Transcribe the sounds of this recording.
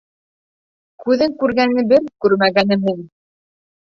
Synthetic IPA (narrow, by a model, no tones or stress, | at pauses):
kʉðɘŋkʉɾɡænɘ̆bɘɾkʉɾmæɡænɘmmuŋ